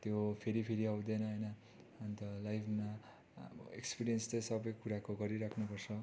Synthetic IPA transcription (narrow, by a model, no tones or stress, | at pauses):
t̪jopʰeɾipʰeɾiawd̪enʌɦʌjnʌː | nt̪ʌlajpʰma | ekspiɾijʌnst͡sʌjsʌbʌjkuɾakoɡʌɾiɾakʰnupʌrt͡sʰʌ